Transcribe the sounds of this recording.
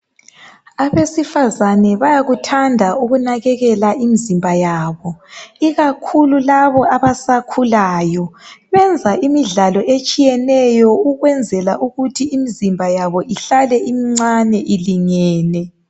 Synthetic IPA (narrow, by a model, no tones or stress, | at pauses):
aβesifazanɛβajaɣutʰandʱauɣunaɣɛɣɛlaʔimizimbʱajaːβɔiɣakʰululaβɔaβasakʰulaːjɔβɛnd͡zʱaʔimiɮalɔʔet͡ʃʼijɛnɛjɔuɣwɛnd͡zʱɛlaʔuɣutʰiːmizimbʱajaβɔʔiɬalɛʔimiŋ͡ǀanɛʔiliŋɛːnɛ